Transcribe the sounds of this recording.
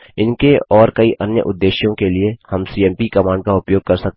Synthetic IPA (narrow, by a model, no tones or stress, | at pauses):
ɪnkeɔːɾkɐiʔɐnjə̰ʔʊd̪ːeːʃjõkeliehɐmsiːɛ̃ːmpikɐmãːɳɖkaʊpjoːɡ̚kɐɾsɐk̚t̪